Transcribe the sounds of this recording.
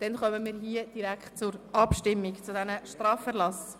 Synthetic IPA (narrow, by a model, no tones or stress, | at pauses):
d̥ɛnχœməmiːɾɦiəd̥iɾækχt̚t͡sʊɾʔɑpʃtɪmːikt͡sʊdɛnəʃtɾɑːfɛɾlɑs